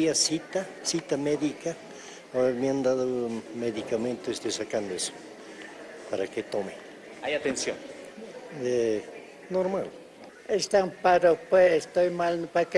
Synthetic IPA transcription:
iasit̪asit̪ameðika | omeand̪aðomeðikament̪oest̪ojsakand̪oeso̥ | paɾaket̪ome | ajat̪ensjon | e | noɾmal | est̪aŋpaɾopweest̪ojmalnpak

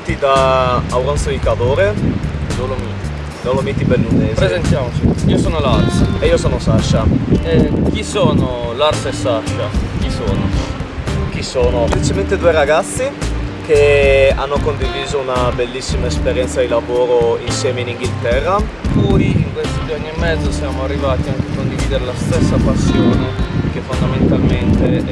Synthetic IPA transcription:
t̪id̪aːwɾont̪soikad̪oːɾedolomi | d̪olomit̪ibelːunepɾezent̪jaːmot͡ʃiiːosoːnolarseiːosoːnosaʃːa | k̟isoːnolarsesaʃːak̟isoːno | k̟isoːnoeplit͡ʃement̪ed̪uːeɾaɡat̪sːik̟ea̰nːokond̪iviːzounabelːisːimaespeɾjɛnt̪sad̪ilavoːɾoinsjɛːmeiniŋɡilt̪ɛrːa | puiiŋkwest̪id̪uanːiemːɛd̪zːosjaːmoarːivaːt̪iaŋk̟eakond̪iviːd̪eɾelast̪esːapasːjoːnek̟efːond̪ament̪alment̪e

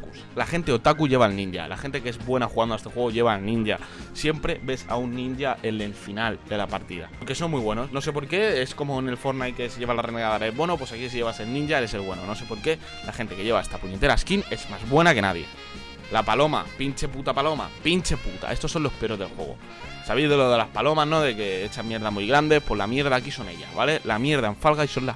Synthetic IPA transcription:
kus | laxe̞nt̪e̞ot̪akuʝe̞βalnĩɲɟa̰la̰xe̞nt̪e̞keezβwenaxuɣand̪oest̪e̞xwe̞ɣ̞oʝe̞β̞alnĩnɲɟasjempɾe̞be̞sa̰unːĩnɟaʔe̞leɱfinald̪e̞lapaɾt̪iða̰oke̞so̞mmwijβwe̞no̞sno̞s̬e̞p̬o̞ɾke̞esko̞mo̞ene̞lfo̞ɾnajke̞sʝe̞βalareneɣaðaɾaezβoe̞nopwe̞sakis̬iʝe̞βase̞lnĩɲʝaele̞selβwe̞nono̞se̞po̞ɾke̞ | laxe̞nt̪eke̞ʝe̞βae̞st̪apuɲe̞t̪e̞ɾaskine̞smazβwe̞nake̞na̰ð̞je̞̰ | lapalo̞ma̰pint͡ʃe̞put̪apalo̞ma̰pint͡ʃe̞put̪a̰e̞st̪osːo̞nlo̞hpe̞ɾo̞zðe̞lxwe̞̰ɣ̞o̞̰ | saβejzðeloðelapalo̞mazno̞ðe̞ke̞et͡ʃamje̞ɾðamujɣɾand̪e̞pwo̞zlamje̞ɾð̞aːkiso̞ne̞̰ʎa̰βa̰le̞lamje̞ɾðae̞ɱfalɣaiso̞nla

